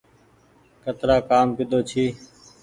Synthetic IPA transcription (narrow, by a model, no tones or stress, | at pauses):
kət̪ɾaːkaːmpɪɗ̪ʱoːt͡ʃʰiː